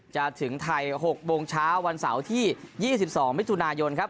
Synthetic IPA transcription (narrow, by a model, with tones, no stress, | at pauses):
t͡ɕa˨˩t̪ʰɯ˩˦ŋt̪ʰa˧jɦo˨˩k̚boː˧ŋt͡ɕʰaː˦˥wːa˧nsa̰˩˦wt̪ʰiː˥˩jiː˥˩si˨˩p̚sɔː˩˦ŋmi˦˥t̪ʰu˧naː˧jo˧nkʰa˦˥p̚